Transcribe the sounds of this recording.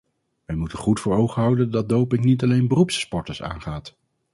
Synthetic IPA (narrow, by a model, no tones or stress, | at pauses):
ʋɛjmutənχutfʊːɹowχəɦʌwdəndɑd̚dowpɪŋnitɑlejnbərupsspɔɹtəsa̰ːnχaːt